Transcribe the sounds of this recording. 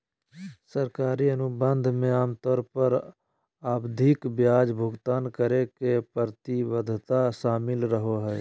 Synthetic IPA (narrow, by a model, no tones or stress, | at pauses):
səɾkaːɾiənʊbə̃nd̪ʱmẽaːmt̪ɔːɾpəɾ | aːbd̪ʱɪkbjaːd͡ʒbʱʊɡt̪aːnkəɾekepəɾt̪iwəd̪ʱt̪aʃaːmɪlɾəɦoɦɛː